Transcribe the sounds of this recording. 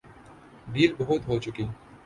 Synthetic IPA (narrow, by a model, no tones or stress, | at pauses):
ɖiːlbɐɦʊt̪ɦoːt͡ʃʊkiː